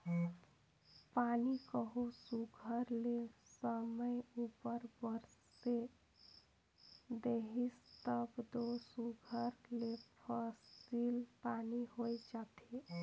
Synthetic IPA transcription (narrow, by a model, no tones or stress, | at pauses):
panikəɦusuɡʱəɾlesəməjupəɾbəɾ | se | d̪eɦist̪əbd̪osuɡʱəɾlepʰəsilpaniɦojd͡ʒat̪ʰi